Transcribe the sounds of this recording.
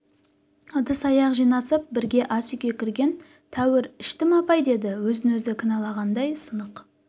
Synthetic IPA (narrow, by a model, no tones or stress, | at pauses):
əd̪əsɑjɑqʒijnɑsəp̚bɪɾɡʲe̞ʔɑsʏkʲe̞kʲʰɪɾɡʲe̞n | t̪ʰæwɪɾɪʃt̪ɪmɑpɑjd̪e̞d̪ɪwɵzɪnwɵzɪkʲʰɪnɑlˠɑʁɑnd̪ɑjsənəq